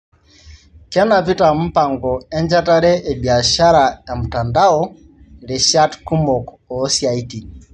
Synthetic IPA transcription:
kɛ˦na˨pi˦ta˨m̩˦pa˨ŋɡɔ˨ɛ˦ɲd͡ʒa˦ta˦ɾɛ˦ʔɛ˨bi˨a˨ʃa˦ɾa˨ja˨m̩˨ta˨nda˦ɔ˦ | ɾɛ˨ʃa˦tku˦mɔ˨k | ɔ˨˦sja˨i˦ti˨

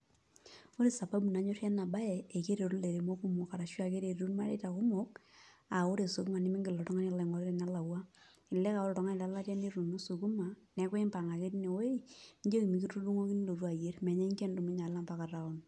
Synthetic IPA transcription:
o˦ɾe˨sa˨ba˦bu˨na˨ɲo˦ɾjɛ˦na˨ba˦ɛ˨e˨ke˦ɾe˨ɾu˦le˨ɾe˨mo˦ku˦mɔ˨ka˨ɾa˨ʃwa˨ke˦ɾe˨ɾu˦nma˦ɾe˦ta˨kʊ˦mɔ˦k̚a˨o˦ɾe˨su˨ku˦ma˨nɪ˦mi˦ŋɡɪ˨lɔ˨tɔ˦ŋa˦na˨la˨ŋɔ˨ɾe˦ɾe˨na˦la˨wa˦ | ɪ˨lɛ˦ka˨ɔ˦lɔ˨tɔ˨ŋa˦ni˨la˦la˦tɛ˦ne˦ɾu˨no˦su˨ku˦ma˨nɛ˨˦kwe˦mpa˨ŋa˨ke˦tne˨wo˦i˦ɲd͡ʒe˦ki˨mi˨ki˦tu˦du˦ŋo˦ki˦n˦lo˨ɾu˦a˨je˦ɾmɛ˨ɲɛ˦ɲke˦ndo˨mi˦ɲa˨la˦˨mpa˨ka˨ta˨ɔ˦n

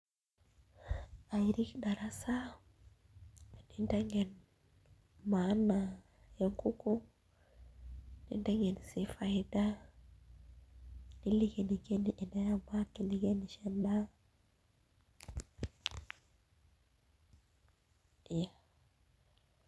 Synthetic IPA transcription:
a˨jɾi˦kda˨ɾa˦sa˦ | ni˦nta˦ŋɡe˨n | manːa˨ | je˦ŋku˦ku˦ | ni˦nta˦ŋɡɛ˨nsi˦fajda˦ | di˦li˦ke˨ni˨ɡe˦ni˨ʔi˨na˦ja˦ma˦ki˨li˨ɡe˦ni˨ʃɛnda˦˨ | ja˨

